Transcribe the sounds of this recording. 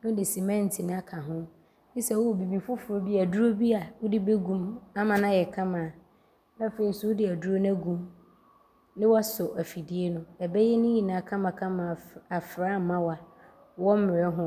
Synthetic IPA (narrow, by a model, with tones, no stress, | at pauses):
nʊ̃˦dɪ˨si˨mɛ̃˦n̩˨tʰi˨ñ˦a˦kʰa˨ɦʊ̃˦ | i˦sɛ˨wɔ˦wɔ˨bi˨bi˨fʊ˦fʊ˨ɾo˨bi˦a˨du˦ɾo˦bi˦a˨wʊ˦di˦be˦ɡũ˦ma˦mã˨nã˦jɛ˨kʰã˦mã˨ | a˦fe˨ɾi˨sʊ˦wʊ˦dɪ˨æ˨du˦ɾo˦nɛ̃˦ɡũ˦˨m | nɪ̃˦wa˦sʊ˨ʔæ˨fi˨di˦e˦nʊ̃˦ɛ˨bɛ˦jɛ˦nʊ̃˦ji˨nãː˨kʰã˦mã˨kʰã˦mã˨a˨fɾa˦m̩˨mã˦wa˨ | wɔ˦m̩˦mɪ˨ɾɛ˦ɦʊ̃˦